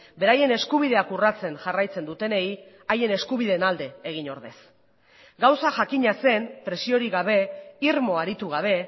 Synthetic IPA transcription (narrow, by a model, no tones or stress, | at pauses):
be̞ɾaje̞ne̞skuβ̞ið̞e̞akurat͡se̞nʝarajt͡se̞nd̪ut̪e̞ne̞i | aje̞ne̞skuβiðe̞nald̪e̞ːɣ̞iɲo̞ɾðe̞s | ɡawsaʝakiɲase̞mpɾe̞sio̞ɾiɣaβ̞e̞iɾmo̞aɾit̪uɣ̞aβ̞e̞